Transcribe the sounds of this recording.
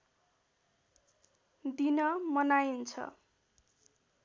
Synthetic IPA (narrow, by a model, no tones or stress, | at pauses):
d̪inʌmʌnajint͡sʰʌ̰